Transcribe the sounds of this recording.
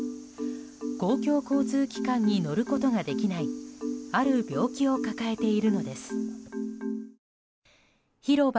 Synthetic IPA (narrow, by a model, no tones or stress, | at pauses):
ɡo̞ːkʲo̞ːko̞ːt͡sɨːkʲi̥kãɲ̟ːino̞ɾɯ̟ko̞t̪o̞ɡad̪e̞kʲinaiaɾɯ̟bʲjo̞ːkʲio̞kakae̞t̪e̞iɾɯ̟no̞d̪e̞sɨ̥ | çiɾo̞b